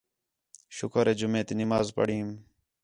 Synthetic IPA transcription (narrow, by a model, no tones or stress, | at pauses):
ʃʊkəɾeːd͡ʒʊmẽːt̪inɪmaːzpə̰ɽiːm